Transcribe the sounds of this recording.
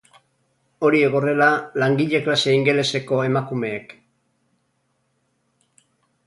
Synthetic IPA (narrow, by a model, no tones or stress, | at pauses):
o̞ɾie̞ɣ̞o̞re̞lalaŋɡiʎe̞klase̞iŋɡe̞le̞se̞ko̞e̞makume̞ːk